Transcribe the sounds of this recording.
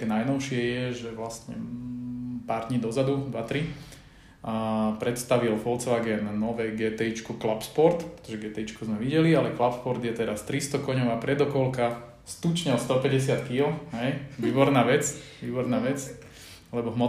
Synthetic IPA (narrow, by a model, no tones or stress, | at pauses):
kɛnajnɔʊʃɪɛjɛʒɛʋlast̪ɲɛ̰ | paːɾd̪ɲiːd̪ɔzad̪ud̪ʋat̪ɾi | pɾɛt̪st̪aʋilfɔlt͡sʋaɡɛnnɔʋɛɡɛt̪ɛit͡ʃkuklapspɔɾt̪pɾɛ̥t̪ɔʒɛɡɛt̪ɛit͡ʃkuzmɛʋiɟɛlialɛklapspɔɾd̪jɛt̪ɛɾast̪ɾist̪ɔkɔɲɔʊapɾɛd̪ɔkɔlka | st̪ut͡ʃɲɛlst̪ɔpɛɟɛsɪat̪kilɔɦɛjʋiːbɔɾnaːʋɛt͡sʋiːbɔɾnaːʋɛt͡s | lɛbɔɦmɔ